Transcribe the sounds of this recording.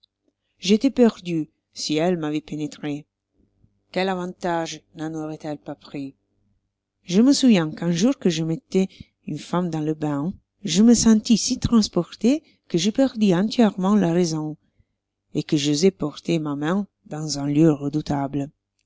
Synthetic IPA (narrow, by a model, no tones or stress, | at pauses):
ʒet̪ɛpɛʁd̪y | siɛlmavɛpenet̪χe | kɛlavɑ̃t̪aʒnãnoʁɛt̪ɛlpapχi | ʒəməsuvjɛ̃kɛ̃ʒuʁkəʒəmɛt̪ɛ | ynfamd̪ɑ̃ləbɛ̃ | ʒəməsɑ̃nt̪isit̪ɾɑ̃spɔʁt̪e | kəʒəpɛʁd̪iɑ̃nt̪jɛʁmɑ̃laʁezɔ̃ | ekəʒozɛpɔʁt̪emamɛ̃ | d̪ɑ̃zɛ̃ljøʁəd̪ut̪ablə